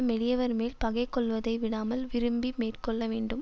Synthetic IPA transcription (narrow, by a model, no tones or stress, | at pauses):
ɐmɛɽɪjɐʋɐɾmeːlpɐɣɐɪkːɔɭʋɐðɐɪʋɪɽaːmɐlʋɪɾɯmbimeːrkɔɭːɐʋeːɳɖɯm